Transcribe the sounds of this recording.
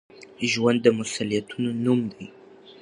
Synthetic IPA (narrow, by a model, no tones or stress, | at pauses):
ʒwand̪ːəmʊsalijat̪ʰunonumd̪aj